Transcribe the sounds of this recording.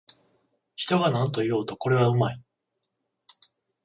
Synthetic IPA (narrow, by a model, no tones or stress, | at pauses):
çi̥t̪o̞ɡanãnt̪o̞ijo̞ːt̪oko̞ɾe̞βaɯ̟mai